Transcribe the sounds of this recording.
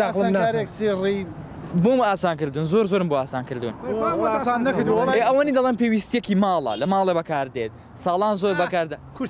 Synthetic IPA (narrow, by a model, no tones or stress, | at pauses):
aːlˠmnaaɾeksiːri | bomaːsaːnkɨɾd̪unzoːɾzoːɾɨmboaːsaːnkɨɾd̪ṵnasaːnnɐkɾd̪ueɐwaniːd̪ɐlˠeːmpewiːst̪ijɛkimaːlˠɐ̰lɐmaːlˠebɐkʰaːɾd̪et̪̚ | sɑːlˠaːnzoɾbɐkaːɾd̪a